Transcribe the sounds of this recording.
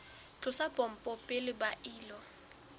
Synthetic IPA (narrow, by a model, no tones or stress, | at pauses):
t͡ɬʼʊsapʼɔm̩pʼɔpʼɪlɪbaʔiːlɔ